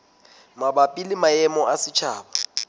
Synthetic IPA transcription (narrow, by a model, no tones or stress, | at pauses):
mabapʼilɪmaɛmɔʔasɪt͡ʃʰaːba